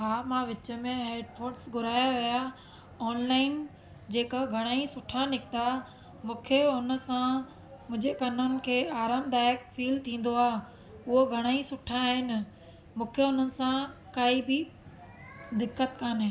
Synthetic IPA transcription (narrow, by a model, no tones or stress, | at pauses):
ɦaːmãʋɪt͡ɕə̆mẽɦeːɖpʰoːɾʈsɡʱʊɾaːjaʋija | ɔːnlaːɪn | d͡ʑeːkəɡʱɐɽ̃aːĩsʊʈʰãnɪkt̪a | mũːkʰeʊnə̆sã | mʊ̃ɦɪ̃d͡ʑekɐnənɪ̆kʰeːaːɾaːmd̪aːɪəkfiːlt̪ʰĩːn̆d̪oaː | ʊɦoɡʱɐɽ̃aːĩsʊʈʰãːɦɪnɪ | mũːkʰeɦʊnənɪ̆sãkaːibɪ | d̪ɪkːət̪kaːnɦẽː